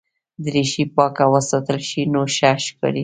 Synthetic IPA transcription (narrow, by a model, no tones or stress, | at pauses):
d̪ɾiʃipɑkawəsɑt̪əlʃinoʃaʃkə̰ɽi